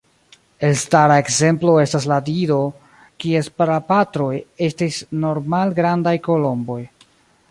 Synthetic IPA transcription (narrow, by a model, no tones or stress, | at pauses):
e̞lstaɾaekze̞mplo̞e̞stasladiɾo̞ | kie̞spaɾapatɾo̞je̞stisno̞ɾmalɡɾandajko̞lo̞mbo̞j